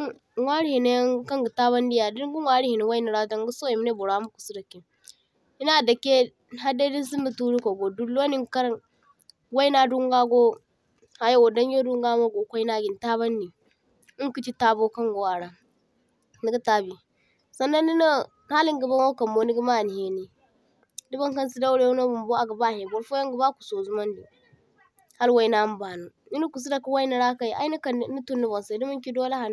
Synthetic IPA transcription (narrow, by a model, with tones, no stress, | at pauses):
wʷa˦ɾi˦hi˨ne˦ŋ˦ka˦ŋɡu˨ta˦βa˦ndi˦ja˨di˦ɡu˦wa˦ɾi˦i˨ni˨wa˦i˦ni˨ɾa˦da˦ŋ˦ɡu˦so˦ji˨m˦ne˦bo˨ɾa˦mu˦ku̥˨su˦da˨kːe˨ | i˦na˦˨da˨kːe˦ | ɦa˦de˦di˦s̬i˦mːə˨tu˦ɾi˦ko˨ɡo˨du˦lːo˦ni˦ŋka˦ɾ | wa˦i˦na˦du˦ŋɡa˦ɡo˦ | ha˨jo˦wo˨da˦n˦jo˦du˦ŋɡa˦mo˦ɡo˨kʷo˦i˦na˦ɡi˨n˨ta˦βa˦nːi˨ | i˦ŋku˦t͡ʃi˦ta˦bo˦kɐ˦ŋɡo˨wa˨ɾa˨ | ni˦ɡa˦ta˦bi˨ | sa˨nːa˦nːi˦na˦ | ha˦li˦ŋɡa˨ba˦nwo˦kɐ˨mbo˦ni˦ɡi˦ma˦˨ni˨he˦ni˨ | di˦ba˦ŋka˦nsi˦da˦wɾe˦u˦no˦bu˨mbo˦a˨ɡa˨ba˦˨he˨bo˦ɾfo˦ja˦ŋɡu˨ba˦ku̥˨so˨zu˦ma˦ndi˨ | ha˦lwa˦i˦na˦m˦ba˨nu˨ | ni˦ni˦ku˨s̬i˦da˨ku˦wa˦i˦ni˨ɾa˦ka˦˨ja̰˦i˦ni˦kni˦tu˦nːi˦bo˨nsa˨du˦mu˦ŋkʲi˦do˦la˦ha˨n˦